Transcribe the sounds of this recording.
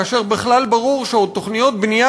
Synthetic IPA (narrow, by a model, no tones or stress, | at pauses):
ʃe̞ʁbeχlalbaʁuʁʃeot̪ːo̞χnijo̞t̪̚bnija